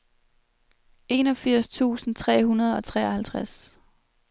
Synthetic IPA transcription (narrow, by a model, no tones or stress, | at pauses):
e̝nɒ̽fiɐ̰st͡sʰṵːsn̩t͡sʰʁɛ̰ːɦunɐð̞ˠɒ̽t͡sʰʁɛ̰ːɒhælt͡sʰʁas